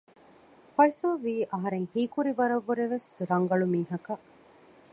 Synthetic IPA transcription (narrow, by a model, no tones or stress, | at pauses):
fɐjsɐlʋiːʔɐɦɐɾeŋhiːkuɾibɐɾɐʋːuɾeʋesɾɐŋɡɐɭumiːɦɐkɐ